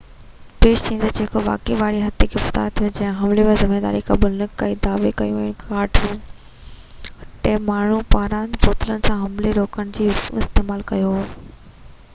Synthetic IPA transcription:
peːʃt̪ʰĩːnd̪ed͡ʑeːkoʋa̰ːkeʋaːɽiɦɐt̪ʰekʰɪft̪a̰ːɾt̪ʰijod͡ʑɐ̃ɦɪ̃ɦɐmlemezɪmeːd̪a̰ːɾikaːbʊlnɪkːɐid̪aːʋekɐjũnkaːɾʈʰ | ʈeːmaːɳ̤upaːɾãːnboːt̪ɪlənɪ̆sãɦɐmleɾoːkəɽ̃d͡ʑiːɪst̪eːmaːlkɐjoɦː

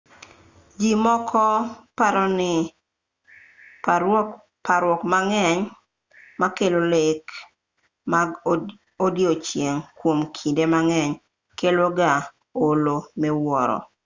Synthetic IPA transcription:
d͡ʒimɔkʰɔpaɾɔnɪ | paɾwɔkmaŋɛɲ | makelolek | ma | odjot͡ʃjeŋkwomkʰindemaŋɛɲ | keloɡa | olomɛwɔɾɔ̰

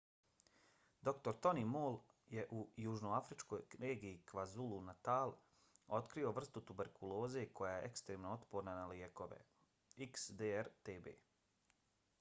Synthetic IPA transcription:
d̪o̞kt̪o̞ɾt̪o̞nimoːlˠje̞ʔujuʒnoafɾit͡ʃko̞jɾeːɡijikʋazulˠunat̪aːlˠ | o̞t̪kɾio̞ʋr̩st̪ut̪ube̞ɾkʰulˠo̞ːze̞kʰo̞jajeʔekst̪ɾeːmnoot̪poːɾnanalieko̞ʋḛ | iksd̪eeɾt̪eːbḛː

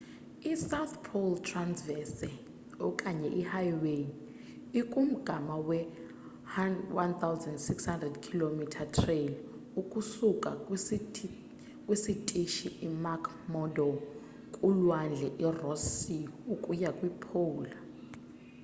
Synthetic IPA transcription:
isawt̪pʰoltʰransvɛsɛ | ɔkʼaɲɛʔihajwen | ikʼum̩ɡ̥ʱamawɛ | hawant̪ʰawzɛndsikshandrɛdkʰilomitʰatʰrel | ukʼusukʼa | kʼwisitʼiʃiʔimakʰ | mɔdɔ | kʼulwand͡ɮʱɛʔirɔsiukʼujakʼwipʰoːla

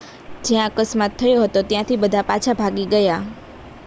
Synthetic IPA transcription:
d͡ʒeãəkəsmat̪ʰːəjoɦət̪ot̪jãt̪ʰibəd̪ʱapat͡ʃʰabʱaɡiɡəja

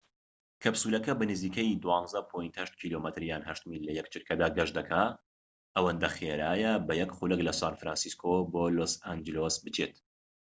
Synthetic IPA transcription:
kʰɐbsuːlɐkɐbɐnɨziːkɐjd̪uwɑːnzɐpʰojint̪hɐʃt̪̚kʰiːlomɐt̪ʰɨɾjaːnɦɐʃt̪ɨmilɐjɛk̚t͡ʃʰɨɾkʰɐd̪aːɡɐʒd̪ɐkʰa | ʔɐwɐnd̪ɐχeɾaːjɐbɐjɛkχulɛklɐsaːnfɾaːnsiskʰoboːlosand͡ʒɪlosbɨt͡ʃʰḛt̪

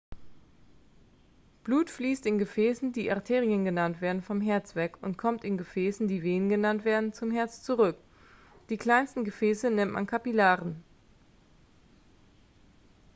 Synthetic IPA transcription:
b̥luːtfliːstɪnɡəfɛːsn̩diːʔa̰ɐtʰeːʁiənɡənantv̥eːɐdn̩fɔmɦɛɐt͡sv̥ɛkʊntkʰɔmtɪnɡəfɛːsn̩diːveːnɡənantv̥eːɐdn̩t͡sʊmɦɛɐt͡st͡suʁʏk | d̥iːkl̥aɪnstn̩ɡəfɛːsənɪmtmʔa̰nkʰapilaːʁən

